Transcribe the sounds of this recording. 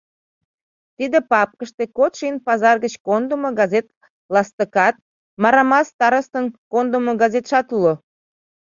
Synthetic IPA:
t̪id̪epɑp̚kəʃt̪ekot̪ʃinpɑzɑrɡət͡ɕkond̪umoɡɑzet̪ | lɑst̪əkɑt̪̚ | mɑɾɑmɑst̪ɑɾəst̪ənkond̪umoɡɑzet̪ʃɑt̪ulo

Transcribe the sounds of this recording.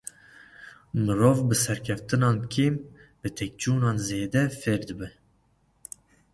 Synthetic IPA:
mɨɾoːvbɨsɛɾkʲʰɛft̪ɨnɑːnkʰeːmbɨt̪ʰɛk̚t͡ʃuːnɑːnzeːd̪ɛfeːɾd̪ɨbɨ

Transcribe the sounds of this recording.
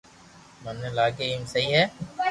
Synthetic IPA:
mɐnːelaːɡemsɐɦiɦɛː

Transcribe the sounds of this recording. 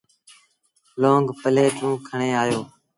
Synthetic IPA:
loːŋɡpəleːt̪ʰũːkʰəɳeːaːjoː

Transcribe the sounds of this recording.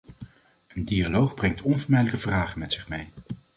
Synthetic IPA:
əndialowχbrɛŋtɔnvəɹmɛjdələkəvraːχənmɛtsɪχmej

